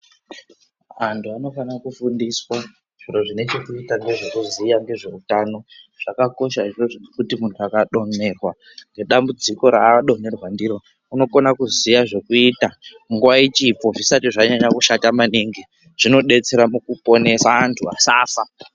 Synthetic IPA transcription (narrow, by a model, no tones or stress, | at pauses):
antʰuano̞fanakufundiswa | ʐ̥iro̞ʐine̞t͡ʃekuitaŋɡe̞ʐekuzijaŋɡe̞ʐe̞utano̞ʐ̥akako̞ʃairoʐikutimuntʰuakaɗo̞ne̞rwa | ŋɡe̞ɗambud͡ziko̞ɾaɗo̞ne̞rwandiɾo̞ | uno̞konakuzijaʐe̞kuitamuŋɡuwait͡ʃipo̞ʐisatiʐaɲaɲakuʃatamaniŋɡi | ʐ̥ino̞ɗe̞t͡se̞ɾamukupo̞ne̞saantʰua̰sasa